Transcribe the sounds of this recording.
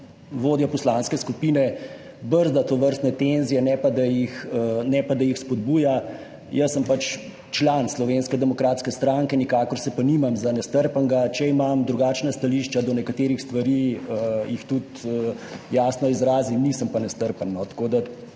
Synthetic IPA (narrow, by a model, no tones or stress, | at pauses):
ʋoːd̪jɔpɔslaːnskɛskupiːnɛ | bəɾzd̪at̪oʋəɾst̪nɛt̪enzijɛnɛpad̪ajixnɛpad̪ajixspɔd̪̚buːja | jəsːəmpat͡ʃ | t͡ʃlanslɔʋenskɛd̪ɛmɔkɾaːt̪skɛst̪ɾaŋkɛnikaːkɔɾsɛpanimamzanɛst̪əɾpəŋɡat͡ʃɛimamd̪ɾuɡaːt͡ʃnast̪aliːʃt͡ʃad̪ɔnɛkat̪eːɾixst̪ʋaɾiəjixt̪ut̪əjasnɔizɾaːzinisəmpanɛst̪əɾpənːɔt̪ḁkoːd̪a